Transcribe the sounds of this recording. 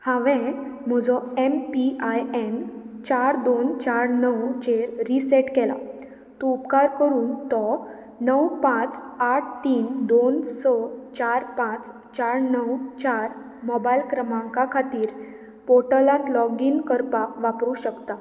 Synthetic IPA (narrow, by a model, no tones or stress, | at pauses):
hãʋɛ̃m̤əd͡zɔempiajen | t͡ɕaɾd̪ont͡ɕaɾnəwt͡ɕeɾːiseʈkɛla̰ | t̪ɔupkaɾkəɾuːnt̪ɔ | nəwpãt͡saʈʰt̪iːnd̪onsət͡ɕaɾpãt͡s | t͡ɕaɾnəwt͡ɕaɾ | mɔbajlkɾəmãŋkakʰat̪iːɾ | poʈəlãnlɔɡinkəɾpakʋapɾuɕəkt̪a